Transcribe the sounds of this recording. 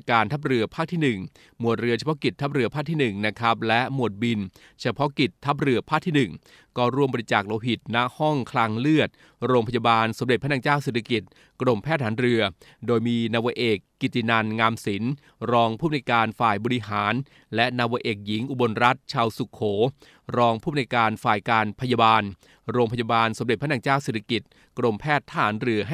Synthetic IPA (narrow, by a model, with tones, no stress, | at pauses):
kaː˧nt̪ʰa˦˥p̚ɾɯ˧ɐpʰaː˥˩k̚t̪ʰiː˥˩nɯ˨˩ŋ | mu˨˩ət̪̚ɾɯ˧ɐt͡ɕʰa˧pɔ˦˥ki˨˩t̪ʰːa˦˥p̚ɾɯ˧˩ɐpʰaː˦˥˩t̪ʰiː˥˩nɯ˨˩ŋna˦˥kʰɾa˦˥p̚lɛ˦˥ʔmu˨˩ət̪̚bi˧n | t͡ɕʰa˧pʰɔ˦˥ki˨˩t̪ʰːa˦˥p̬̚ɾɯ˧əpʰaː˥˩k̚t̪ʰiː˥˩nɯ˨˩ŋ | kɔː˥˩ɾu˥˩əmbɔ˧ɾi˧t͡ɕaː˨˩k̚loː˧ɦi˨˩t̪̚na˦˥ʔhɔ˥˩ŋkʰlaː˧ŋlɯ˥˩ət̪̚ | ɾoː˧ŋpʰa˧ja˧baː˧nso˩˦mde˨˩t̪̚pʰna˧ŋt͡ɕaː˥˩wseː˨˩t̪ʰa˧ki˨˩t̪̚ | kɾo˨˩mpʰɛː˥˩haː˩˦nɾɯ˧ɐdoː˧jmiː˧naː˧wa˧ʔeː˨˩kːi˨˩t̪ːi˨˧˩na˧nŋaː˧msi˩˦n | ɾɔː˧ŋpʰuː˥˩m̚˨˧a˧jkaː˧nfaː˨˩jbɔː˧ɾi˧˥ɦaː˩˦n | lɛ˦˥ʔnaː˧wa˧˥ʔeː˨˩k̚ji˩˦ŋʔu˨˩bo˧nɾa˦˥t̪̚t͡ɕʰaː˧wsu˨˩kʰːoː˩˦ | ɾɔː˧ŋpʰuː˥˩m˨˧a˧jkaː˧nfaː˨˩jkaː˧npʰa˧ja˧baː˧n | ɾoː˧ŋpʰa˧ja˧baː˧nso˩˦mde˨˩t̚pʰa˥naː˧ŋt͡ɕaː˥˩wseː˨˩t̪ʰa˧ki˨˩t̪̚ | kɾo˧mpʰɛː˥˩t̪ʰːa˨aː˩˦nɾɯ˧ɐɦ